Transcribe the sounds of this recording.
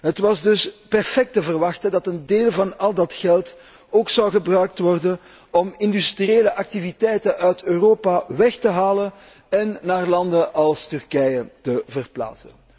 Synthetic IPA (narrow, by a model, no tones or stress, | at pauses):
ɦətʋɑzdɵspɛrfɛk̚təvərʋɑxtəndɑtəndeːlˠvɑnɑlˠdɑtxɛlˠt | oːksɑwɣəbrœɥk̚tʋɔrdən | ɔmɪndystrieːləʔɑk̚tivitɛjtənʔœɥtøːroːpaʋɛxtəɦaːlən | ɛnːaːrlɑndəʔɑlˠstʏrkɛjətəvərpla̰ːtsən